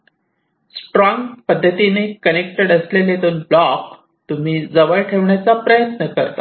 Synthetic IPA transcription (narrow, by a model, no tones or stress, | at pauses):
sʈɾɔ̃ŋɡpəd̪ʱːət̪inekənek̚ʈeɽəslelet̪onblɔk | t̪um̤iːd͡zəʋəɭʈʰeʋɳjat͡sapɾəjət̪nəkəɾt̪a